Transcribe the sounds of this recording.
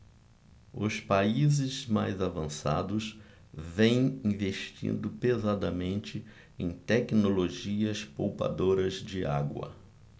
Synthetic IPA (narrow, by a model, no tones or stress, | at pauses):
ʊspaizɪzma̰jzavɐ̃sa̰d̪ʊs | vẽj̃ĩveʃt͡ʃḭ̃nd̪ʊpezad̪ɐmẽnt͡ʃɪ | ẽj̃t̪ɛknoloʒiɐspowpa̰d̪oɾɐzd͡ʒɪa̰ɡwɐ̰